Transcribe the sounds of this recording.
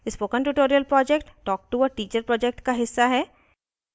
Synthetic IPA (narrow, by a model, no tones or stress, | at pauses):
ɪspoːkə̃nʈuʈoːɾijəlpɾɔːd͡ʒɛkʈʈɔːk̚ʈuɔːɾʈiːt͡ʃəɾpɾɔːd͡ʒɛk̚ʈkaɦɪsːaɦɛː